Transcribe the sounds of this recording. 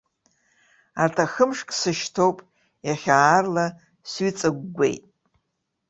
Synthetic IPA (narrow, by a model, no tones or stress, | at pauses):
artʰaxəmʂkʼsɨʃtʰo̞wpʼ | jaχʲaːrla | sɥit͡sʼɨɡːʷḛjtʼ